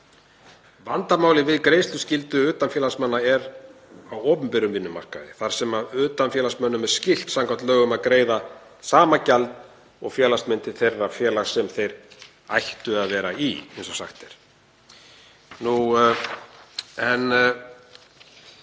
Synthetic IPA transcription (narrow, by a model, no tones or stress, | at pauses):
vant̪amaːwlɪvɪðkɾeːjst̪lʏscɪlt̪ʏʏːt̪anfjɛːlasmanːaɛɾ | awɔːpʏmpɛɾʏmvɪnːʏma̰r̥ka̰ðɪ̰θaɾ̥sɛmaðʏːt̪anfjɛːlasmœnːʏmɛɾ̥scɪl̥t̪samŋkʰḁt̪lœːɣʏmaðkɾeːjða | saːmacalt̪ | ɔɣfjɛːlast̪mɪnt̪ɪθejrːafjɛːlaɣsɛmθejɾ | a̰jht̪ʏaðvɛːɾaiejnsɔsa̰xt̪ɛɾ̥ | nu | ɛn